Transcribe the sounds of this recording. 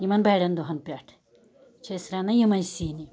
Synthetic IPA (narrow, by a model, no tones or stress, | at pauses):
jimɐnbajɽɐnd̪oɦɐnpʲaʈʰ | t͡ʃʰesɾanɐjimɐjsiːni